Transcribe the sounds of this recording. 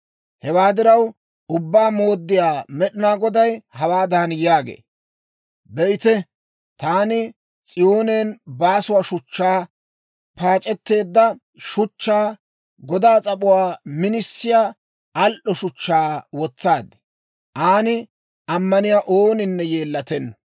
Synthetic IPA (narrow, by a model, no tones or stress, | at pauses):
hɛwaːd̪ɪɾɐw | ʊbːaːmo̞ːd̪ːɪjaːmɛɗɪnaːɡɔd̪ɐjhɐwaːd̪aːnjaːɡḛː | bɛʔɪt̪ɛ | t̪aːnɪ | t͡sʼɪjoːneːnbaːsʊwaːʃʊt͡ʃːaː | paːt͡ʃʼɛt̪ːe̞ːd̪ːɐ | ʃʊt͡ʃːaː | ɡɔd̪aːt͡sʼɐpʼʊwaːmɪnɪsːɪjaː | ɐlʔɔʃʊt͡ʃːaːwɔt͡sːaːd̪ɛ̥ | ʔaːnɪ | ʔɐmːɐnɪjaːʔoːnɪnːɛjeːlːɐt̪ɛnːɔ̥